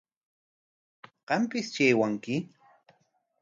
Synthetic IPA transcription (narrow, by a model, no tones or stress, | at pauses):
qɑmpɪst͡ʃeːwaŋkɪ